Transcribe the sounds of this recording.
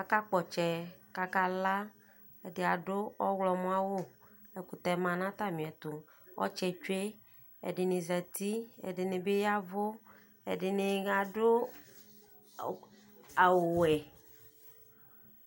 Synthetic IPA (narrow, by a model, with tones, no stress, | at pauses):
ka˨ka˦k͡pɔ˨t͡ʃɛ˨ka˨ka˦la˦ | e˨dɪ˨a˨ɖʊ˦ɔ˦wlɔ˨mõ˦a˦wo˦e˨ku˨t̪ɛ˨mã˨nã˦t̪a˦mĩ˨ɛ˨t̪ʊ˨ | wʔɔ̰˦t͡ʃɛ˨t͡ʃe˦ | ḛ˨ɖɪ˨nɪ̃˨zɛ˨t̪i˦ḛ˨ɖɪ˨nɪ̃˨be˦ja˦vʊ˦ | ḛ˨ɖɪ˨nɪ̃˨ɣa˨ɖʊ˦ | a˨wo˨wɛ˨